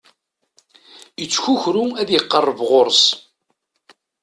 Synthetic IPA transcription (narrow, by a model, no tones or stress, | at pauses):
ət͡sːçuçɾuæðjəqːərˤːəvʁoɾˤs